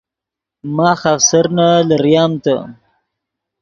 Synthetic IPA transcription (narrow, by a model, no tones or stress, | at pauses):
mɑːxafsaɾnalaɾjɑːmt̪a